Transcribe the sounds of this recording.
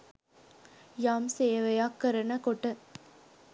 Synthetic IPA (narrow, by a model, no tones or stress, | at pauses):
jaːmsejɐʋɐjaːkːɐɾɐnɐkoʈːɯ